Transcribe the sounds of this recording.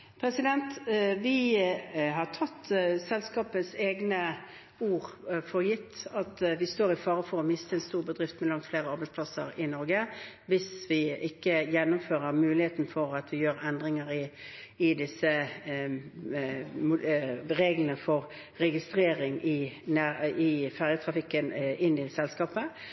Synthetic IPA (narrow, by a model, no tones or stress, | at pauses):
pʰɾɛsɪd̪ɛnt̪ʋɪ | ɦɑʈʰɑt̪ːsɛlskɑːpəseːɡnə | uːʁfɔʁjɪt̪ːɑt̪ʋɪst̪oːɾɪfɑːʁəfɔɾɔmɪst̪əɛnst̪uːɾbəd̪ʁɪft̪mɛlɑŋt̪fleːɾəɑɾbæɪspʰlɑsə̰ɾɪnɔɾɡə | ʋɪsʋɪʔɪkːəjɛnːʊmføːʁəʁmʉːlɪheːt̪n̩fɔɾɑt̪ʋɪjøːɾɛnd̪ʁɪŋəɾɪɪd̪ɪsə | mʁeːɡlənəfɔʁ | ɾɛɡɪst̪ʁeːɾɪŋɪnæɪfæʁjət̪ʰɾɑfɪkːənɪnːɪlsɛlskɑːpə